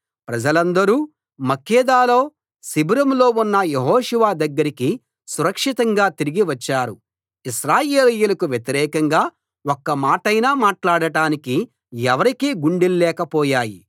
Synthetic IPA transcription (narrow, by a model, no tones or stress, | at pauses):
pɾɐd͡ʒɐlɐnd̪ɐɾuː | mɐkːɛːd̪aːlo̞ː | sibuɾɐmlo̞ːunːɐjeɦɔːʃuʋaːd̪ɐɡːɐɾiki | suɾɐkʂit̪ɐŋɡaːt̪iɾiɡiʋɐt͡ʃːaːɾu | iʃɾaːjeːlɐjulɐkuʋjet̪iɾɛːkɐŋɡaː | okːɐmaːʈɐjnaːmaːʈlaːɽɐʈaːniki | ɛʋɐɾikiːɡuɳɖillɛːkɐpɔːjaːjḭ